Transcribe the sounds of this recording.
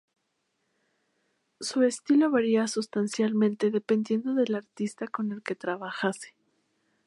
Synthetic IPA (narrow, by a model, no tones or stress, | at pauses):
sue̞st̪ilo̞βaɾiasust̪ansjalmẽnt̪e̞ðe̞pe̞nd̪je̞nd̪o̞ðe̞laɾt̪ist̪ako̞ne̞lke̞t̪ɾaβaxase̥